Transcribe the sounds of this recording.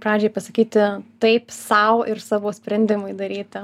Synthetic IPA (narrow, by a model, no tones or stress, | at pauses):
pɾɑːd͡ʒʲeːpɐsɐkʲiːt̪ʲɪt̪ɐɪpsɐʊɪrsɑːʋoːsʲpʲɾʲɛnʲd̪ʲɪmɐɪd̪ɐɾʲiːt̪ʲɪ